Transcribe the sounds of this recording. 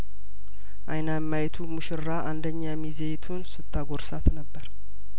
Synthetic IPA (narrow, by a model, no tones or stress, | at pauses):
ʔa̰jnamːajt̪ʰumɨʃɪɾːaʔand̪əɲːamizejt̪ʰunsɨt̪ʰːaɡoɾsat̪nəbːəɾ